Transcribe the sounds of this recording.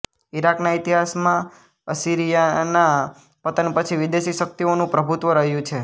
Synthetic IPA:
iɾaknaɪt̪iɦasmã | əsiɾijana | pət̪ənpət͡ʃʰiʋid̪eʃiʃək̚t̪ionũpɾəbʱut̪ʋəɾəɦjũt͡ʃʰe

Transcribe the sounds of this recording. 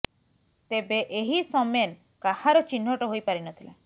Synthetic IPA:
t̪ebeʔeɦisɔmen | kahaɾɔt͡ʃin̤ɦɔʈɔɦojpaɾinɔt̪ʰile

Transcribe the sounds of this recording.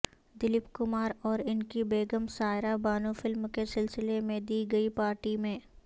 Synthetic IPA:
d̪ɪlɪpkʊmaːɾɔːɾɪnkibeːɡəmsaːɪɾabaːnũfʰɪlmkesɪlsɪlemẽd̪iːɡɐipaːɾʈimẽː

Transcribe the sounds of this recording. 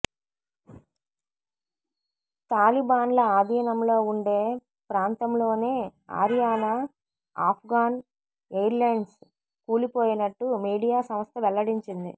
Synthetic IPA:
t̪aːlibaːnlɐaːd̪ijɐnɐmlo̞ːuɳɖe̞ː | pɾaːnt̪ɐmlo̞ːne̞ːa̰ːɾjaːna | aːpʰɡaːn | ejɾlɐjɳɖs | kuːlipoːjinɐʈːumiːɽijaːsɐmɐst̪ɐʋɛlːɐɽiɲt͡ʃind̪ḭ

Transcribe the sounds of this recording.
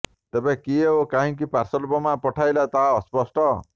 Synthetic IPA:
t̪ebẽkieɦokaɦĩk̬ipaɾsɔlbɔmapɔʈʰajlat̪aːspɔsʈɔ

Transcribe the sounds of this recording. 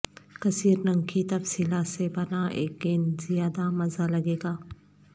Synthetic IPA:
kɐsiːɾnɐ̃ŋkʰit̪ɐfsilasebɐnaʔḛːk̚ːenzijaːd̪amɐzalɐɡeːɡaː

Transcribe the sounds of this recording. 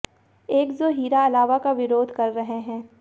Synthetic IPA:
eːkzoːɦiːɾaɐlaːʋakaʋɪɾoːd̪ʱkɐɾːɐɦeɦɛ̃ː

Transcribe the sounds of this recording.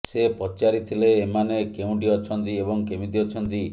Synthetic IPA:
sepɔt͡ʃaɾit̪ʰileːmanekeũɳʈiɔt͡ʃʰɔnt̪iebɔŋkemit̪iɔt͡ʃʰɔnt̪i

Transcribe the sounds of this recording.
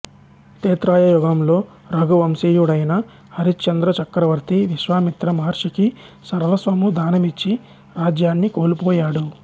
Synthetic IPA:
t̪eːt̪ɾaːjɐjɔɡɐmlo̞ː | ɾɐɡuʋɐmsiːjuɽɐjnɐ | ɐɾit͡ʃɐnd̪ɾɐt͡ʃɐkɾɐʋɐɾt̪iʋiʃʋaːmit̪ɾɐmɐɦɐɾʂiki | sɐɾʋɐsʋɐmud̪aːnɐmit͡ʃːi | ɾaːd͡ʒjaːnːikoːlupoːjaːɽu

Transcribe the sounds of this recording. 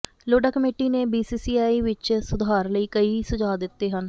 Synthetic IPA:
loːɖaːkəmeːʈiːneːbiːsiːsiːaːiːʋɪt͡ʃsʊd̪ʱaːɾləiːkəiːsʊd͡ʒaːd̪ɪt̪ːeːɦən

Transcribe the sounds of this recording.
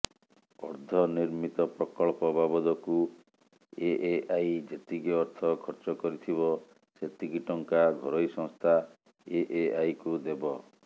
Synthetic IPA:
ɔ̰ɾd̪ʱɔniɾmit̪ɔpɾɔkɔɭpɔbabɔd̪ɔku | eʔeajd͡ʒet̪iɡiɔɾt̪ʰɔkʰɔɾt͡ʃɔkɔɾit̪ʰiβɔ | set̪iɡiʈɔŋkaɡʱɔɾɔjsɔ̃ŋst̪ʰa | eʔeajkud̪ebɔ

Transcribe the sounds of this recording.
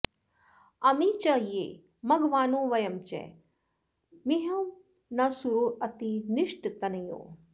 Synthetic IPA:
ɐmit͡ʃɐɦijḛ | mɐɡʋaːnõːʋɐjɐmt͡ʃɛ̰ | miɦɐm | nɐsuɾoʔɐt̪iniʂʈt̪ɐnɐjo̰ː

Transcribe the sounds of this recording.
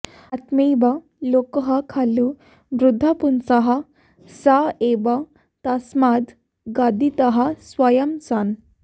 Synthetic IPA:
ɐt̪miba | lokəɦakʰalu | ʋɾud̪ʱːapunsɐɦa | saeba | t̪asmad̪ | ɡad̪it̪ɐɦasʋajɐmsan

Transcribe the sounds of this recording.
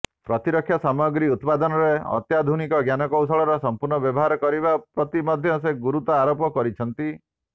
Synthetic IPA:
pɾɔt̪iɾɔkʰːjɔsamɔɡɾiut̪pad̪ɔnɔɾeɔ̰t̪jad̪ʱunikɔɡjanɔkɔws̬ɔɭɔɾɔsɔmpuɾnɔbjɔbɔɦaɾɔkɔɾibapɾɔt̪imɔd̪ʱjɔs̬eɡuɾut̪ɔaɾopɔkɔɾit͡ʃʰɔnt̪i

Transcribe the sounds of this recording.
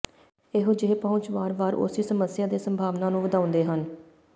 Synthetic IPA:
ɪɦʊd͡ʒeːpɔʊ̃ɲt͡ʃʋaːɾʋaːɾʊ̰siːsəməsɪjaːd̪eːsəmbʱaːʋnaːnũːʋəd̪aːʊ̃nd̪eːɦən

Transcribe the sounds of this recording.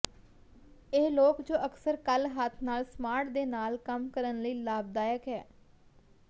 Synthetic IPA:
eːloːkd͡ʒoːʔəksəɾkəlɦət̪ʰnaːlsmaːʈd̪eːnaːlkəmkəɾənləiːlaːb̚d̪aːjəkɛː

